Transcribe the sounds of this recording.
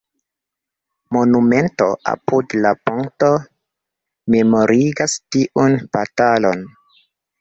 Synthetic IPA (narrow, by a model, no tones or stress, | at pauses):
mo̞nume̞nto̞ʔa̰pudlapoŋto̞ | me̞mo̞ɾʔiɡastiʔunb̥atalo̞̰n